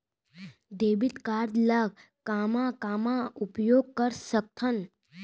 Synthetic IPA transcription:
d̪eːbit̪kaːɾd̪ləɡ̚ | kaːmãkaːmãupjoːɡ̚kəɾsək̚t̪ʰən

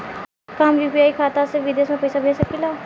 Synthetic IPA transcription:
kaːmjuːpijaːikʰaːt̪asɪeʋɪd̪eːsmẽpɐjsabʱeːsakila

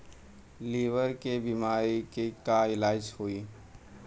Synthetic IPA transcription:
liːʋəɾkebimaːɾikekaɪlaːd͡ʒhoːi

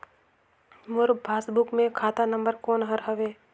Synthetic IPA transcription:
mʊɾbʱaːsbʊkmẽkʰaːt̪anə̃mbəɾkoːnɦəɾɦəʋeː

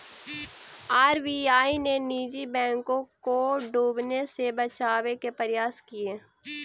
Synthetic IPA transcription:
aːɾbiːaːineniːd͡ʒibɛ̃ːŋkõkoɖuːbnesebət͡ʃaːʋekepəɾɪjaːskɪjeː

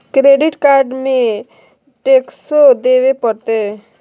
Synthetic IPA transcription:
kɾeɖiʈkaɾɖmẽ | ʈeksod̪eʋepəɾt̪e

